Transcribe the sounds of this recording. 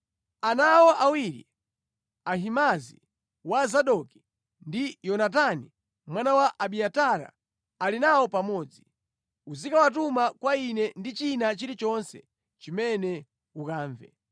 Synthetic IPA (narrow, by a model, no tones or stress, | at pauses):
anawɔʔawiɾḭ | aɦimazḭ | wazaɗɔki̥ | ndijɔnat̬ani | mwanawaʔaɓiataɾa̰ː | linawɔpamɔːd͡zi | uzikawat̬umakwainɛndit͡ʃinat͡ʃiɾit͡ʃɔnsɛ | t͡ʃimɛnɛ | ukaːɱvɛ̰